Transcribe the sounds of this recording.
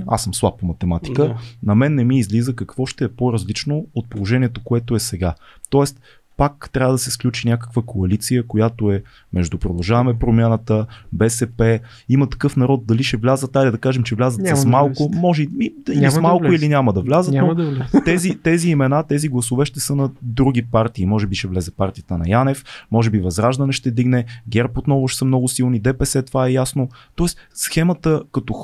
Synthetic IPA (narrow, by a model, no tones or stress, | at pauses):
a̰səmslˠap̚pomɐt̪ɛmat̪i̥kənɐmɛnːɛmiːzlizəkɐkvɔʃt̪ɛɛpoɾɐzlit͡ʃnoot̪̚polˠoʒɛniɛt̪okoɛt̪oɛsɛɡat̪ɔɛst̪ | pakt̪ɾʲavəd̪ɐsɛsklʲut͡ʃinʲakə̥kvəkʰoɐlit̪sijəkojat̪oɛ | mɛʒd̪upɾod̪ɐlˠʒavɐmɛpɾomʲjanət̪əbɛsɛpɛ | imət̪ɐ̥kɤfnɐɾɔt̪̚d̪ɐliʃɛvlʲazət̪ːajd̪ɛd̪ɐkaʒɛmt͡ʃɛvlʲazət̪sɐsmalˠkomɔʒimid̪inimalˠkkʊilinʲamɐd̪ɐvlʲazət̪nɔt̪ɛzit̪ɛziːmɛnat̪ɛziɡlˠɐsovɛʃt̪ɛsɤnɐd̪ɾuɡ̟ipaɾt̪iːmɔʒɛbiʃɛvlɛzɛpaɾt̪ijət̪ənɐ̰janɛfmɔʒɛbivɐzɾaʒd̪ɐnɛʃt̪ɛd̪iɡnɛɡʲɛɾpot̪nɔvʊʃsəmnɔɡʊsilˠnid̪ɛpɛsɛt̪ovaɛjasnot̪ɔɛssxɛmət̪əkɐt̪o